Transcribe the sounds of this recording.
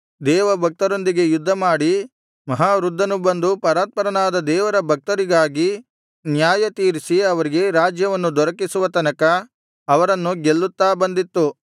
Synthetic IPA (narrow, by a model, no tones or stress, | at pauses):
d̪ɛːʋɐbʱɐk̚t̪ɐɾo̞nd̪iɡe̞jud̪ʱːɐmaːɽi | mɐɦaːɾud̪ʱːɐnubɐnd̪upɐɾaːt̪̚pɐɾɐnaːd̪ɐd̪ɛːʋɐɾɐbʱɐk̚t̪ɐɾiɡaːɡi | njaːjɐt̪iːɾisiɐʋɐɾiɡe̞ɾaːd͡ʒjɐʋɐnːud̪ɔɾɐkisuʋɐt̪ɐnɐkɐː | ʋɐɾɐnːuɡelːut̪ːaːbɐnd̪it̪ːu